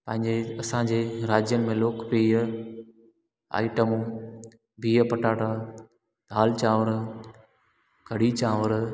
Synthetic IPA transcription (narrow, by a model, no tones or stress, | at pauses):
pɐ̃ɦɪ̃ɲd͡ʑeɐsãːd͡ʑeːɾaːd͡ʑjənɪ̆mẽloːkpiːə | a̰ːɪʈəmũ | bʱiːəpɐʈaːʈaː | d̪ʱaːlt͡ɕaːʋəɾ | kʰɐɽit͡ɕaːʋəɾ